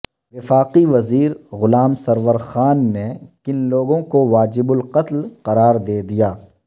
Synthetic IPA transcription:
ʋɪfaːqiʋɐziːɾɣʊlaːmsɐɾʋəɾxaːnːekɪnloːɡõkoʋaːd͡ʒɪbʊlqɐt̪lqɐɾaːɾd̪eːd̪ijaː

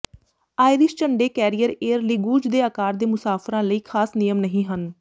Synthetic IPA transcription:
aːɪɾɪʃt͡ʃəɳɖeːkɛːɾijəɾeːəɾlɪɡuːd͡ʒd̪eːaːkaːɾd̪eːmʊsaːfʰɾãːləiːkʰaːsnɪjəmnəɦĩːɦən

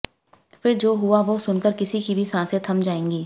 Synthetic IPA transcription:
fʰɪɾd͡ʒoːɦuaʋosʊnkəɾkɪsikibʱisãːset̪ʰɐ̃md͡ʒaːẽːŋɡiː

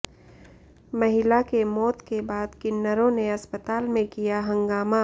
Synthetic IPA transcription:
mɐɦɪlakemɔːt̪kebaːd̪kɪnːəɾõneɐspət̪aːlmẽkijaɦɐ̃ŋɡaːma

